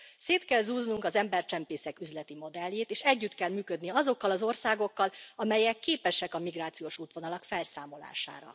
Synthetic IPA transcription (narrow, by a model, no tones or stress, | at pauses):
seːt̪kɛlzuːznuŋkɒzɛmbɛrt͡ʃɛmpeːsɛkyzlɛt̪imo̞d̪ɛlːeːt̪eːʃɛɟːyt̪kɛlmyːkød̪niɒzo̞kːɒlɒzo̞rsaːɡo̞kːɒlɒmɛjɛkːeːpɛʃɛkɒmiɡraːt̪sijoːʃuːt̪ʋo̞nɒlɒkfɛlsaːmo̞la̰ːʃa̰ːɾɒ̰